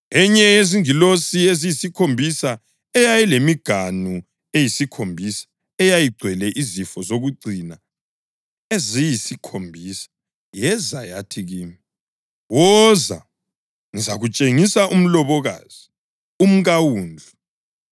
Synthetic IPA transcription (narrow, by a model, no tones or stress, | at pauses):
ɛɲɛjeziŋilosiezijisikʰombʱisa | ɛjajilemiɡ̥ʱanu | ejisikʰombʱisḁ | ɛjajiɡ͡ǀʱwɛlɛʔizifɔzoɣuɡ͡ǀʱina | ezijisikʰombʱisḁ | jɛzajatʰiɣiːmi | wɔza̰ | ŋizaɣut͡ʃʼeŋisaʔum̩lɔβɔɣa̰ːz̥i | um̩ɣawuːnd͡ɮʱu